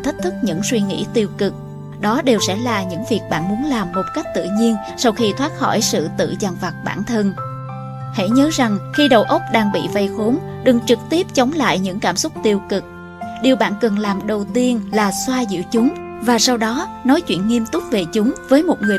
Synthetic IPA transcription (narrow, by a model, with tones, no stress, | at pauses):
t̪ʰə˦˥k̚t̪ʰɨ˦˥k̚ɲɨ̰˧˥ŋswi˧ŋḭ˧˥t̪i˧əwkɨ˨˩k̚ | ɗɔ˨˦ɗe˨˩wsɛ̰˧˥laː˨˩ɲɨ̰˧˥ŋvi˨˩ək̚ɓa̰ː˧˨nmu˨˦ənlaː˨˩mːo˨˩t̚ka˦˥k̚t̪ɨ̰˧˨ɲi˧ən | sa˧wxi˧t̪ʰwaː˦˥t̚xɔ̰˧˩jsɨ̰˧˨t̪ɨ̰˧˨za˨˩nva˨˩k̚ɓaː˧˩nt̪ʰə˧n | hḛ˧˥ɲəː˨˦za˨˩ŋxi˧ɗə̰˨˩wʔə˦˥k͡p̚ɗaː˧ŋɓḭ˧˨va˧jxo˨˦n | ɗɨ˨˩ŋt͡ɕɨ˨˩k̚t̪i˦˥əp̚t͡ɕə˨˦wŋ͡mla̰ː˧˨jɲɨ̰˧˥ŋkaː˧˩msʊ˦˥k͡p̚t̪i˧əwkɨ˨˩k̚ | ɗi˨˩əwɓa̰ː˧˨nkə˨˩nlaː˨˩mɗə˨˩wt̪i˧ənlaː˨˩swaː˧zḭ˧˨wt͡ɕʊ˨˦ŋ͡m | vaː˨˩sa˧wɗɔ˨˦nɔ˨˦jt͡ɕwḭ˧˨ənŋi˧əmt̪ʊ˦˥k͡p̚ve˨˩t͡ɕʊ˨˦ŋ͡mvəː˨˦jmo˨˩t̚ŋɨ˨˩ə